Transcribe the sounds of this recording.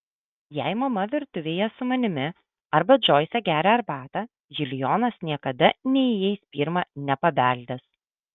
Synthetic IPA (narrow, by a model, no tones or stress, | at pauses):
jɛɪmɐmɐʋʲɪɾt̪ʊʋʲeːjɛsʊmɐnʲɪmʲɪ | ɐɾbɐd͡ʒoːjsʲɛɡʲæːɾʲɛɐɾbɑːt̪ɐ | ʒʲɪlʲjɔːnɐsnʲiɛkɐd̪ɐnʲɛiɪjɛɪspʲiːɾmɐnʲɛpɐbʲæˑlʲd̪ʲɛs